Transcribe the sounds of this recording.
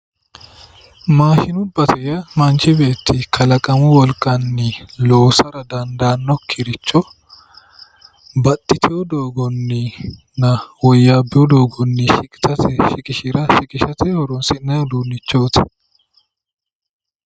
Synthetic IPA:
maːʃɪnʊbːɐt̪ʰɛjɐmɐnt͡ʃɪbe̞ːt̪ːɪkʰɐlɐkʼɐmʊwɔlkʼːɐnːɪloːsɐɾɐd̪ɐnd̪aːnːɔkʰːɪɾɪt͡ʃːɔ | bɐt̪ʼːɪt̪ʰɪjɔd̪oːɡɔnːɪ | nɐwɔjːaːbːɪjɔd̪oːɡɔnːɪʃɪkʼɪ̥t̪ɐt̪ɛʃɪkʼɪʃɪɾɐʃɪkʼɪʃɐt̪ʰɛhɔɾɔnsɪnːɐjɔd̪uːnːɪt͡ʃːoːt̪ɛ̥

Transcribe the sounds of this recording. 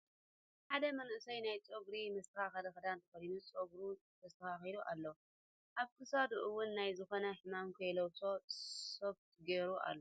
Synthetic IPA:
ħad̪ɐmɐnʔɨsɐjnajt͡sʼoɡɾimɨst̪ɨkaxad̪ɐkɐd̪ant̪ʰɨ̥fɐlinut͡sʼoɡɾu | t̪ʰɐst̪ʰɐxaxid̪uʔa̰lːɐ | ʔaβkʰɨsad̪uʔɨwːʊnːajzɨxo̞nɐħɨmamkʰɐjlowt̪ʰo̞soβt̪ɡeɾuʔa̰lːo

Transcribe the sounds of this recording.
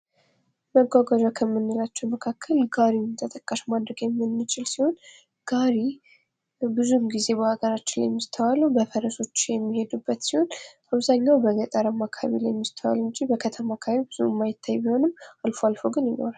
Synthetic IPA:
məɡʷaɡad͡ʒakʰəmːɨnːɨlat͡ʃːɛwməkʰakʰːəlɡaɾimt̪ʰət̪ʼəkʼːaʃmad̪ɾəɡjɛmːɨnːɨt͡ʃʼɪlsiho̞n | ɡ̥aɾi | bɨzumɡize̞βəhaɡəɾat͡ʃːɪnla̰jmːist̪ʰəwaləwbəfəɾəso̞t͡ʃːjɛmːihe̞d̪ubːət̪siho̞n | aβzaɲːawbəzət̪ʼaɾəmːakʰa̰βḭlajmːist̪ʰəwa̰lɨɲd͡ʒibəkʰət̪ʰəmakʰaβibɨzumːajɪt̪ʰːajbiho̞nɨmːalfoalfoɡɨnjɪno̞̰ɾal

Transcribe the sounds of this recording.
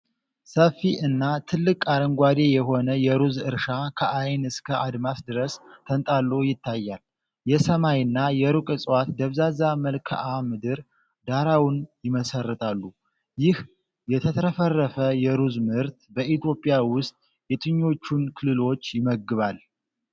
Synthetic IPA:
səfːiʔɨnːat̪ʰɨlːɨkʼaɾəŋɡʷwad̪e̞jɛɦo̞nəjɛɾuzɨɾʃakʰəʔajnɨskʰəʔad̪masd̪ɨɾəst̪ʰənt̪ʼalːuwjɪt̪ʰːajːal | jɛsəmajɨnːajɛɾukʼɨsʼwat̪d̪əβzazaməlkʰə̰ʔamɨd̪ɨɾ | d̪aɾawnjɪməsərːɨt̪ʰalːu | jɪh | jɛt̪ʰət̪ʰəɾəfərːəfəjɛɾuzmɨɾt̪bəʔit̪ʰjo̞pʼːɪjawʊst̪ʼ | jɛt̪ʰʼɨɲːo̞t͡ʃːunkʰɨlːɨlo̞t͡ʃːjɪməɡɨβal

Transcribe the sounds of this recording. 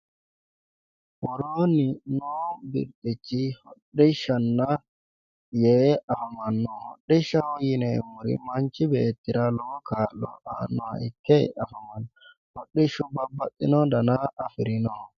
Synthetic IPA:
wɔɾoninɔbḭɾtʼit͡ʃːihɔɗːɛʃanːa | jɛafamanːɔhɔ̰ɗːɛʃawjinɛmuɾḭmaɲt͡ʃibɛːtːiɾalɔkʰalɔ̰a̰nːɔha̰ikːɛ̰afamanː | hɔɗːɛʃubabːatʼːinɔdanaʔːfiɾinɔ

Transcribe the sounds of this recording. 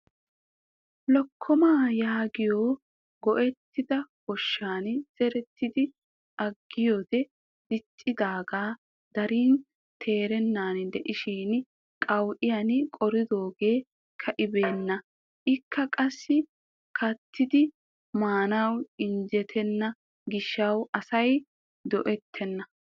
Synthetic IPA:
lɔkʰːɔmaːjaːɡɪjoː | ɡɔʔɛt̪ːɪd̪ɐkɔʃːaːnz̥ɛɾɛt̪ːɪd̪ɪ | ʔɐɡːɪjɔd̪ɛ | dɪt͡ʃʼːɪd̪aːɡaː | d̪̥ɐɾiːn | t̪ʰe̞ːɾɛnːaːnd̪ɛʔɪʃiːn | kʼɐwʔɪjɐnkʼɔɾɪd̪o̞ːɡe̞ː | kʰːɐʔɪbe̞ːnːɐ | ʔɪkʰːɐkʼɐsːɪ | kʰɐt̪ːɪd̪ɪ | maːnɐwɪnd͡ʒɛt̪ʰɛnːɐ | ɡɪʃːɐwʔɐsɐj | d̪ɔʔɛt̪ʰːɛnːɐ

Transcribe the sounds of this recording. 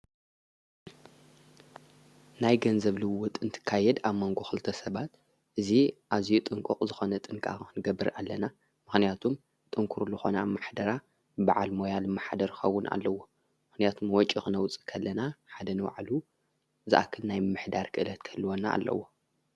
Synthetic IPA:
najɡɐnzɐβlɨwwɔt̪ʼɨnt̪ʰɨ̥kʰːajɛd̪aβmoŋɡo̞xɨlt̪ʰɐsɐβat̪ | ʔɨziʔazijut̪ʼɨŋkʼuqʼzɨxo̞nɐt̪ʼɨŋkʼa̰ɨnɨɡɐbːɨɾa̰lːɐna | mɨxnijat̪ʰum | t̪ʼɨŋkʰuɾlɨxo̞namaħd̪ɐɾa | ba̰ʕalmo̞jalmaħd̪ɐɾkʰxɐwːʊnʔa̰lːɐwːo̞ | mɨxnijat̪ʰumwɔt͡ʃʼːixɨnɐwt͡sʼi̥kʰɐlːɐnaħad̪ɐnɨwa̰ʕlu | zɨʔa̰kʰːɨlnajɨmɨħd̪aɾkʰɨʔɨlɐt̪kʰɐlːuwona̰ːlːʔɐ̰wo

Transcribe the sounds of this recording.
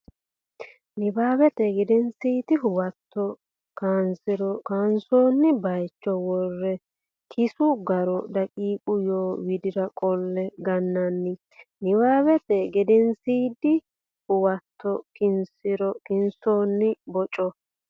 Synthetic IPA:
nɪbaːbɛt̪ɛɡɛd̪ɛnsiːd̪ɪɦʊwɐt̪ːɔ | kaːnsɪɾɔkaːnsoːnːɪbɐjt͡ʃːɔwɔrːɛ | kʰɪsʊɡɐɾɔd̪ɐkʼiːkʼʊjoːwɪd̪ɪɾɐkʼɔlːɛɡɐnːɐnːɪ | nɪbaːbɛt̪ɛɡɛd̪ɛnsiːd̪ɪ | hʊwɐt̪ʰːɔkɪnsɪɾɔkɪnsoːnːɪbɔt͡ʃʼɔ

